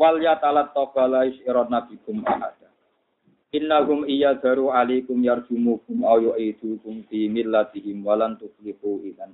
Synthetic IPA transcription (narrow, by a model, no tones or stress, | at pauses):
waljat̪alat̪ːɔkɔlaɪʃiɾɔnːafikʊmʔa̰ħa̰d̪̥a | ʔɪnːaɦʊmʔijadaɾuʕalikʊmjard͡ʒ̥umukʊmʔawjuʔid̪̥ukʊmfimɪlːat̪ɪɦɪmwalamt̪ʊflɪfuʔiðan